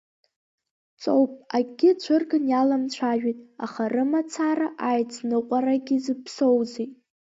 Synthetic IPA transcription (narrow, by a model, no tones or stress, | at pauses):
t͡sʼowpʼaɡʲɪt͡ɕʷʰɨrɡɨnjalamt͡ɕʷʰaʒᶣitʼaχarɨmat͡sʰaɾaʔajt͡sʰnɨqʷʼaraɡʲɪzɨpʰso̞wzitʼ